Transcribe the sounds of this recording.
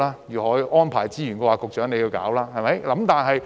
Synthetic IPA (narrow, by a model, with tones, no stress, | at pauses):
laː˦˥jyː˨˩hɔː˨˥jʔɔː˥npʰaː˨˩jt͡siː˥jy˨˩nkɔː˧waː˨˧kʊ˨k̚t͡ʃœː˨˥ŋe˨˧jiː˧wka̰ː˨˥wlaː˥hɐ˨jmɐ˨˦jlɐ˨˥mt̪aː˨nɦɐ˨j